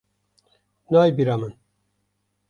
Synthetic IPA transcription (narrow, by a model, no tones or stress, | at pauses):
naːjbiɾamɨn